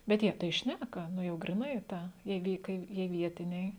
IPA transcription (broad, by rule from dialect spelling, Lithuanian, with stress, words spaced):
bʲɛt ˈjiɛ tɐɪ ˈʃʲnʲækɐ ˈnʊ jɛʊ ɡrʲɪˈnɐɪ ˈtɐ jiɛ ˈʋʲɪ kɐɪ ˈjiɛ ˈʋʲiɛtʲɪnʲɛɪ